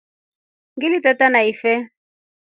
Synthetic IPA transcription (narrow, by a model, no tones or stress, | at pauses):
ŋɡilitɛtanaifɛ